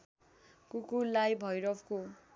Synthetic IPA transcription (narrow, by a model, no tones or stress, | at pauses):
kukulajbʱʌjɾʌpko